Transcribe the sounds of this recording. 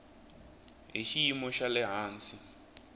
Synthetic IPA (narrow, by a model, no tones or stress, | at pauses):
ɦiʃiimɔʃalɪɦaːnsi